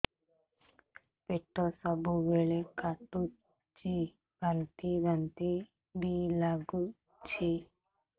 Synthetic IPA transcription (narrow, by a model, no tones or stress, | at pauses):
peʈːosɐbuʋeɭekɐʈːu | t͡ʃi | ɡɐnt̪iɡɐnt̪i | ɖilɐɡu | t͡ʃi